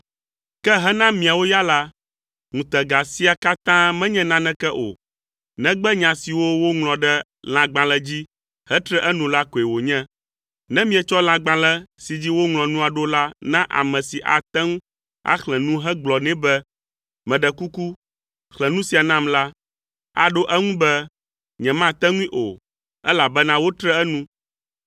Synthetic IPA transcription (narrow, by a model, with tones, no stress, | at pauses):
kɛ˦ɦɛ˦nã˦mĩ˨a˨wo˦ja˦la˦ | ŋũ˨t̪ɛ˨ɡa˨si˦a˨ka˦t̪ã˦mɛ̃˦ɲɛ̃˦nã˦nɛ̃˦kɛ˦ʔo̰˨ | nɛ̃˦ɡ͡bɛ˦ɲã˨si˨wo˦wo˦ŋlɔ̃˨ɖɛ˦ | l̃ã˨ɡ͡bã˨lɛ˦d͡ʑi˦ | hɛ˦t̪ɾɛ˦ʔɛ˦nũ˨la˦ko˨e˨wo˨ɲɛ̃˦ | nɛ̃˦mĩ˦ɛ˨t͡ʃɔ˦lã˨ɡ͡bã˨lɛ˦si˨d͡ʑi˦wo˦ŋlɔ̃˨nũ˦a˨ɖo˦la˦nã˦ʔa̰˨mɛ̃˨si˨ʔa̰˨t̪ɛ˦ŋ˦ | a̰˦xlɛ˨nũ˦ɦɛ˦ɡ͡blɔ˨nɛ̃˦bɛ˦ | mɛ̃˨ɖɛ˨ku˦ku˦ | xlɛ̃˨nũ˦si˨a˨nã˦mla˦ | a̰˨ɖo˦ʔɛ˦ŋũ˦bɛ˦ | ɲɛ̃˨mã˦t̪ɛ˦ŋũ˦ĩ˦ʔo̰˨ | ɛ˦la˨bɛ˦nã˦wo˦t̪ɾɛ˦ɛ˦nũ˦